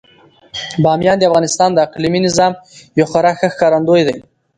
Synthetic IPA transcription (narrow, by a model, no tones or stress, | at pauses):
bɑmjɑnd̪eafɣɑnɪst̪ɑnd̪əaqliminɪzɑmjowxaɾaxəxkɑɾand̪ojd̪aj